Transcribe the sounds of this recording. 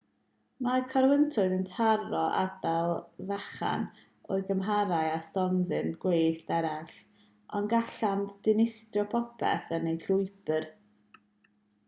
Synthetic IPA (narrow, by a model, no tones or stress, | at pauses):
makʰaɾwəntʰʊɨðəntʰarɔʔa̰dalˠvaχa̰n | o̰ɨɡəmɦaɾajastɔnðɨnɡ̥wejɬd̥ɛɾaɬ | ɔnɡaɬanddɪnɪstrjɔpʰɔpʰɛ̰θənejɬʊɨbər